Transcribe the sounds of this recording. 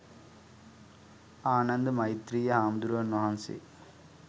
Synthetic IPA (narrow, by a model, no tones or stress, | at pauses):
aːnɐnd̪ɨmɐjt̪ɾijɐaːmd̪uɾuʋɐnaːnsḭ